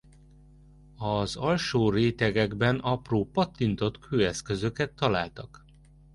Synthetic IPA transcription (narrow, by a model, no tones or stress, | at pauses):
ɒzɒlʃoːreːt̪ɛɡɛɡbɛnɒproːpɒt̪ːint̪o̞t̪kʰøːɛskø̞zøkɛt̪ʰːɒlaːlt̪ɒk